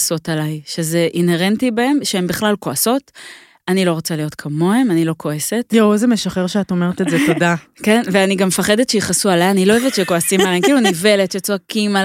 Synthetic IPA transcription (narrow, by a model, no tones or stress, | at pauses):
so̞talajʃe̞zeʔinhe̞ʁentibae̞mʃeembiχlalko̞aso̞t | anilo̞ʁot͡salijo̞tkʰamo̞emanilo̞kʰo̞ese̞tjozemeʃaχeʁʃeatomeʁetezeto̞dakenveaniɡamefaχedetʃeiχasualajaːniloevetʃekoasimalemkiːlunive̞let̪jot͡soakimal